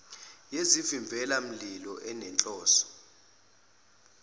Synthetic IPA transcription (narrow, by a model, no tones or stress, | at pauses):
jezifiɱb̪vʱɛlam̩lilɔʔɛnɛnt͡ɬʼɔːsɔ̥